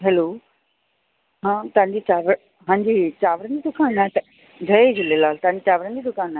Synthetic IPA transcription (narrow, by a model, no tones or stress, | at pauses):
ɦɛːloː | ɦãːt̪ɐʋãɲd͡ʑiːt͡ɕaːʋ | ɦãːɲd͡ʑiːt͡ɕaːʋɾənd͡ʑiːd̪ʊkʰaːnaɦt̪ɐ | d͡ʑʱɐed͡ʑɪlelaːlt̪ɐʋãɲd͡ʑiːt͡ɕaːʋɾənd͡ʑiːd̪ʊkʰaːna